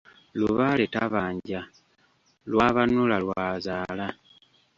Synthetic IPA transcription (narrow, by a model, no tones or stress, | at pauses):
luβaletaβaːɲɟa | lwaβanulalwazaːla